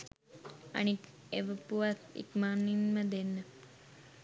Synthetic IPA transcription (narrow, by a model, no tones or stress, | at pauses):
ɐ̰nik | eʋəpuʋat̪ḭkmaːnːinməd̪enːə